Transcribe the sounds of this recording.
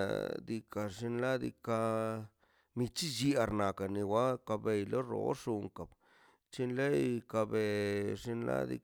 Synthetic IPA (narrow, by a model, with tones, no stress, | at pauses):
d̪i˧ka˨ʐi˧nla˦d̪ḭ˧ka˧ | mi˧t͡ʃi˦d͡ʒi˧a˧ɾna˨ka˨ni˧wa˦ka˧be˧jlo˦ɾo̰˧˦ʂu˧ŋka˨b | t͡ʃi˦nle˦jka˧be˧ʐi˧nla̰˦d̪ḭ˧